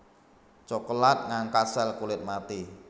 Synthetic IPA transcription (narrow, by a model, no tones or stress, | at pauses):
t͡ʃɔkəlat̪̚ŋaŋkasɛlkulɪt̪̚mat̪i